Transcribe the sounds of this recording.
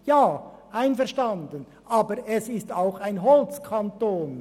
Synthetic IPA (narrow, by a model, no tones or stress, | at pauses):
jaː | ʔaɪnfɛɐʃtandən | ʔaːbəɾʔɛsɪstaʊxaɪnɦɔlt͡skʰantoːn